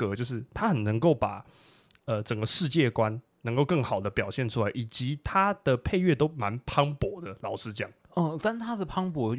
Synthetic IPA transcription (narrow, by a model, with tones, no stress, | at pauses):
ɤ˧˥t͡ɕjo˥˧ʊʂ̬ɻ̩˥˩t̪ʰa˥xə˨nnə˧˥ŋko˥˩ʊpa˨˩ | ə˧ʈ͡ʂə˨˩ŋɡə˦ʂɻ̩˥˧t͡ɕjɛ˥˩kwa˦n | nə˧˥ŋko˥˧ʊkɤ˥˩ŋxɑ˨˩ʊd̪ə˦pjɑ˨˩ʊɕjɛ˥˨nʈ͡ʂʰu˥la˧˦ɪʔi˨˩t͡ɕi˧˥t̪ʰa˥d̪̥ə˨pʰe˥˧ɪɥɛ˥˩t̪o˥ʊma˧˦npʰɑ˥ŋpwɔ˧˥˦d̪ə˨lɑ˨˩ʊʂɻ̩˥t͡ɕjɑ˥˩ŋ | ə˧˩t̪a˥˧n˥˩t̪ʰa˥ə˧˩pʰɑ˥ŋpwɔ˧˥˦